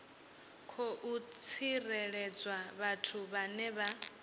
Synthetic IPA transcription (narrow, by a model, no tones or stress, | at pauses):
kʰɔʔut͡sʰirɛɺɛd͡zwaβatʰuβanɛβa